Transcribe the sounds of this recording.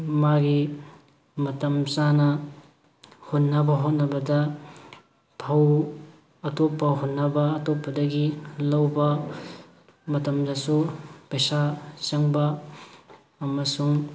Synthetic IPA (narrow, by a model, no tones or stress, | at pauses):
maɡi | mɐtɐmt͡ʃanɐ | hot̚nːɐbɐɦot̚nɐbɐdɐ | tʰɐw | ɐtopːɐɦotnːɐbɐːtopːɐdɐɡilɐwbɐ | mɐtɐmdɐsupɐjsat͡ʃɐŋbɐ | ɐmɐsuŋ